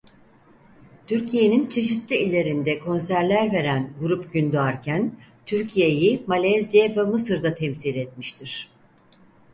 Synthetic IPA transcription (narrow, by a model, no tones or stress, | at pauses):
t̪ʰyɾcʰije̞nint͡ʃʰe̞ʃ̬it̪lʲiilʲːe̞ɾind̪ɛkʰo̞nsæɾlʲæɾve̞ɾænɡuɾupɟynd̪uaɾcʰænt̪ʰyɾcʰije̞jimalʲazijevɛmɯsɯɾd̪at̪ʰɛmsilʲɛt̪̚miʃt̪ʰiɾ̥